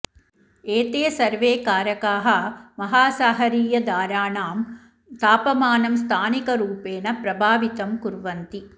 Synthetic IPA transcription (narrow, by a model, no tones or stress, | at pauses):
eːt̪eːsɐɾʋeːkaːɾɐkaːɦɐmɐɦaːsaːɦɐɾiːjɐd̪aːɾaːɳaːm | t̪aːpɐmaːnɐmst̪ʰaːnikɐɾuːpeːnɐpɾɐbʱaːʋit̪ɐmkuɾʋɐnt̪i